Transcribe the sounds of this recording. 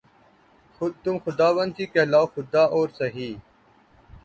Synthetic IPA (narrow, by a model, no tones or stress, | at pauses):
ʊt̪umxʊd̪aːʋənd̪̚t̪ʰiːkelaːoxʊd̪aːʔoːɾsɐɦiː